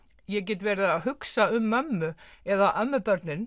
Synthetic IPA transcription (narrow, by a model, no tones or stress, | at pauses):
jɛc̬ɛːt̪vɛːɾðaaðhʏksaʏmːœmːʏɛðaʔœmːʏpœɾt̪nɪn